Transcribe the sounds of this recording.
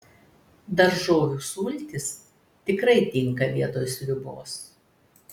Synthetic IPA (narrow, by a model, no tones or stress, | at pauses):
d̪ɐɾʒoːjʲuːsuːlʲt̪ʲɪs | t̪ʲɪkɾɐɪt̪ʲɪŋˑkɐʋʲiɛt̪oːjsɾʲʊbo̰ːs